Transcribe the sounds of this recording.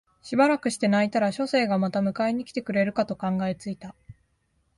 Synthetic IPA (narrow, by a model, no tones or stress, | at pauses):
ɕibaɾakɯ̟ɕi̥t̪e̞nait̪aɾaɕo̞se̞ːɡamat̪amɯ̟kaiɲ̟ikʲi̥t̪e̞kɯ̟ɾe̞ɾɯ̟kat̪o̞kãŋɡae̞t͡sɨit̪a